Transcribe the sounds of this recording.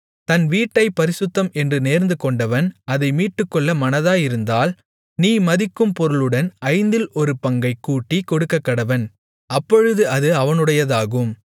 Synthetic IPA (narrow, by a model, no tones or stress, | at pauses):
t̪ɐnʋiːʈːɐɪpɐɾɪsɯt̪ːɐmɛndrɯneːɾnd̪ɯkɔɳɖɐʋɐnɐðɐɪmiːʈːɯkːɔɭːɐmɐnɐðaːjɪɾɯnd̪aːl | niːmɐðɪkːɯmpɔɾɯɭɯɽɐnɐɪnd̪ɪlɔɾɯpɐŋɡɐɪkːuːʈːikɔɽɯkːɐkːɐɽɐʋɐn | ɐpːɔɻɯðɯɐðɯɐʋɐnɯɽɐjɐðaːɣɯm